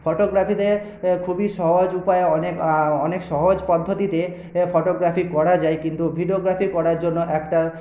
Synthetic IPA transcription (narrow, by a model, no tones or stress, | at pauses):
pʰoʈoɡɾapʰit̪e | kʰubiʃɔɦod͡ʑupajeɔnekɔnekʃɔɦod͡ʑpɔd̪ʱːot̪it̪e | pʰoʈoɡɾapʰikɔɾad͡ʑaekint̪ubʱiɖioɡɾapʰikɔɽaɾd͡ʑonːoʔɛkʈa